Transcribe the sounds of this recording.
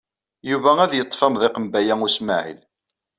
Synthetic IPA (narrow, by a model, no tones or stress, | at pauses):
juvææðjət̪ˤːfɑmðˤɪqəmbæjæʊsma̰ʕḭl